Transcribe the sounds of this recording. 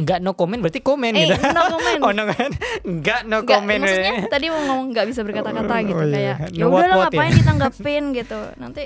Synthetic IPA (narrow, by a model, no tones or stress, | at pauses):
ŋɡaʔnokomɛnbəɾart̪ikomɛnɡit̪unokomɛnɔnɔkɛnɡaʔnokoamɛmnɲat̪adimɔŋɔmɔŋŋɡaʔbis̬abərkat̪akat̪aɡit̪ujaja̰naudalaɔapaɪndit̪aŋɡapɪnɡit̪unant̪i